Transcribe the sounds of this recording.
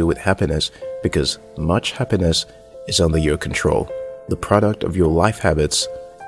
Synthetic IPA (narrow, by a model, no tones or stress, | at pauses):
ɨwɨð̥hæpinɨsb̥ɨkʰʌz | mʌt͡ʃhæpinɨs | ɨzʌ̃nðə˞jə˞kʰn̩tʰɹ̥o̰ʊlˠðəpʰɹ̥ɑɾək̚tʌ̰vjə˞laɪfhæbɨts